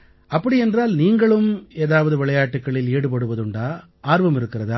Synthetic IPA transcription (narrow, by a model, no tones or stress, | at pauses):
ɐpːɐɽiɛndraːlniːŋɡɐɭɯmeːðaːʋɐðɯʋɪɭɐjaːʈːɯkːɐɭɪleːɽɯpɐɽɯʋɐðɯɳɖaː | aːɾʋɐmɪɾɯkːɪrɐðaː